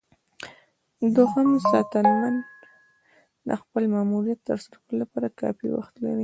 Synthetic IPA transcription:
d̪ohamsɑ̰t̪anwan | a̰xpəlmɑmuɾijat̪ːəɾsaɾawəlolapɑɾakɑ̰fḭwa̰xt̪la̰ɾi

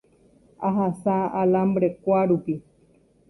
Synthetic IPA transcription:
aɦasaalambɾekʷaɾupi

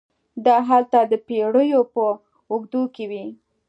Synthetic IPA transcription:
d̪ɑɦalt̪ad̪əpeɽəjopə | uɡd̪ukewi

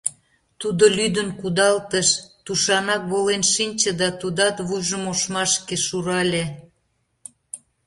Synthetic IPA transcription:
t̪ud̪olʲyd̪ənkud̪ɑlt̪əʃt̪uʃɑnɑk̚βolenʃinʲt͡ɕəd̪ɑt̪ud̪ɑt̪βujʒəmoʃmɑʃkeʃuɾɑlʲe

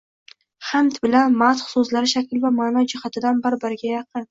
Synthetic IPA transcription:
χamt̪bɪlanmat̪χsɵzlaɾɪʃakʲɪlvamaːnad͡ʒɪhat̪ʰɪd̪anbɪɾbɪɾɪɡʲajɑqʰɨn

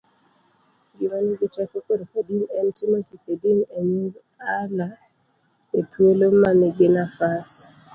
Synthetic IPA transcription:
ɡɪmaniɡɪtɛkokodokadinɛntimot͡ʃikedineɲuɡ | ala | et̪wolomanɪbɪnafas

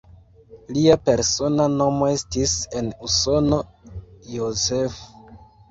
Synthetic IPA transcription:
liape̞ɾso̞nano̞mo̞e̞stise̞nuso̞no̞jozef

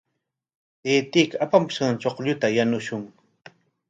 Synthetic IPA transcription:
eːt̪ikaapamʊʃɢɑŋt͡ʃoqʎʊt̪ajanʊʃʊŋ

